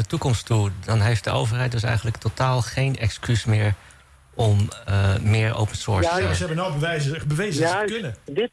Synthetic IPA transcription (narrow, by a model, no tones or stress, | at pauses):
ətukɔmstudɔnɦejft̚dəʔowvəɹɦɛjt̚døs̬ɛ̰jχənləktotaːlˠχejnɛkskysmɪːɹ | ʔɔmː | ɪːɹo̰wpənsɔːɹsɛbənɔbəʋɛjzəbəʋejzəknədɪt